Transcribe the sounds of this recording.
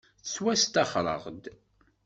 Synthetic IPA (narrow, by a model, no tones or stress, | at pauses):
θt͡sːwæst̪ɑχɾˤə̰ʁd̪